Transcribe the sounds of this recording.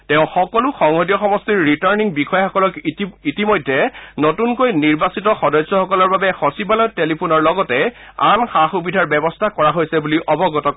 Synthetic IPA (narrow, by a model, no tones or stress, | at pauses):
tɛʊ̃xɔkɔlʊxɔŋhodiɔxɔmɔstiɹːitaɹniŋbixɔjxɔkɔlɔkitimojdʱːɛnotunkojniɹbasitɔxɔdɔjsːɔxɔkɔlɔɹbabɛxɔsibalɔjtelipʰunɔɹlɔɡɔtɛ | a̰nxaxubidʱaɹbɛbɔstʰakɔɹaɦojsɛbuliʔɔbɔɡɔtɔk